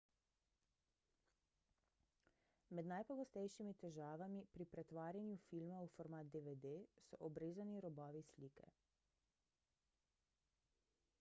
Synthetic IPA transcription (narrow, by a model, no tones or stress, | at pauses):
mɛd̪najpɔɡɔst̪ɛjʃimit̪ɛʒaːʋamipɾipɾɛt̪ʋaːɾjanjufilmaufɔɾmaːt̪̚d̪eʋed̪esɔ̰ʔɔbɾeːzaniɾɔbɔːʋisliːkɛ̰